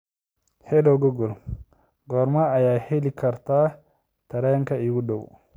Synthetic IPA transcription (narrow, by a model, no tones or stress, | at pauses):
hɛdɔɡɔɡɔl | ɡɔɾmaajahelikaɾta | taɾajaŋkaiwudaw